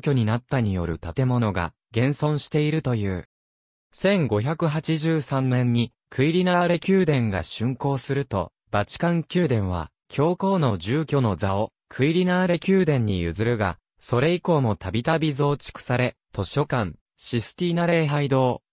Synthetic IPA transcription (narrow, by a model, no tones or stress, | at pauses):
kʲo̞ɲ̟inat̪ːaɲ̟ijo̞̰ɾɯ̟t̪at̪e̞mo̞no̞ɡa̰ | ɡẽ̞ɰ̃sõ̞ɰ̃ɕi̥t̪e̞iɾɯ̟t̪o̞jɯ̟ː | sẽ̞ŋɡo̞çakɯ̟ɦat͡ɕiʑɨːsãnːẽ̞ɲ̟ːi | kʰɯ̟iɾʲinaːɾe̞kʲɨːd̪ẽ̞ŋɡa̰ɕɨ̃ŋko̞ːsɨɾɯ̟t̪o̞̰ | bat͡ɕi̥kãŋkʲɨːd̪ẽ̞ɰ̃β̞a̰ | kʲʰo̞ːko̞ːno̞ʑɨːkʲo̞no̞d͡zao | kʰɯ̟iɾʲinaːɾe̞kʲɨːd̪ẽ̞ɲ̟ːijɯ̟̰zɨɾɯ̟ɡa̰ | so̞ɾe̞iko̞ːmo̞t̪abʲit̪abʲizo̞ːt͡ɕi̥kɯ̟̥saɾe̞t̪o̞ɕo̞kãn | ɕisɨ̥t̪ʲiːnaɾe̞ːɦaid̪o̞ː